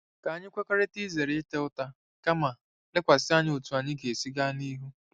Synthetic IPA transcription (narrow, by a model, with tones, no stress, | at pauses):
ka˨a˦ɲɪ˦kʷe˦kʷa˦ɾe˦ti˦ze˨ɾɪ˨ɪ˦te˦ʊ˦ta˦ | ka˦ma˨ | lɪ˦kʷa˨sɪ˦a˦ɲɪ˦o˨tu˨a˨ɲɪ˦ɡe˨si˦ɡa˦ni˦ɦu˦